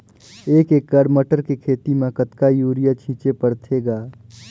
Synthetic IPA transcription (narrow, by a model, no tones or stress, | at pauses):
eːkek̚ɡəɽməʈəɾkekʰeːt̪imẽkət̪kajuːɾijat͡ʃʰĩːt͡ʃepəɽt̪ʰeɡaː